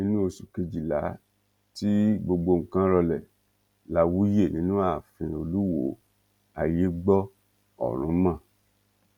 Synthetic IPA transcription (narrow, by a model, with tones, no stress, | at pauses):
nĩ˦nũ˦o˧ʃu˨ke˧d͡ʒi˨la˨˦ | ti˦ɡ͡bo˧ɡ͡bo˧˨ŋ̩˨kã˦ɾɔ˧lɛ˨ | la˧wu˦je˦˨nĩ˨˦nũ˦a˦˨fĩ˧o˧lu˦wo̰˨˦˨ | a̰˨je˨˦ɡ͡bɔ˦ | ɔ̰˨ɾ̃ũ˨˦mã˦˨